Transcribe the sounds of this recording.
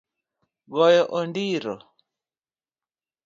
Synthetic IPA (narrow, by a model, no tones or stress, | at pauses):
ɣɔjɔʔɔndiɾɔ̰